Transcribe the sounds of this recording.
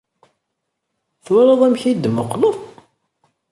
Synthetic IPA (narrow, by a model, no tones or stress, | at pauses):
θʊɾəðˤæmçid̪məqːlʊð